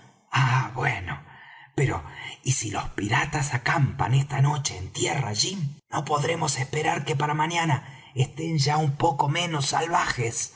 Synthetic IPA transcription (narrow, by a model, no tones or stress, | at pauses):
aβwenopeɾo̞̰isilo̞spiɾat̪asakampa̰nest̪ano̞t͡ʃeːnt̪jera̰ːʒino̞po̞ðɾe̞mo̞sespeɾaɾkepaɾamaɲana | est̪e̞nʒaumpo̞ko̞mẽ̞no̞sːalβaxes